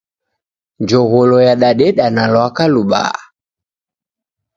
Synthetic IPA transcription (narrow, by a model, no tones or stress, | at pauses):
d͡ʒɔɣɔlɔjaɗaɗɛɗanalwakaluɓa̰